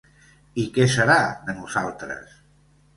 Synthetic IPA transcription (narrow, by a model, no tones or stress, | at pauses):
ikɛsəɾaðənuzalˠt̪ɾə̰s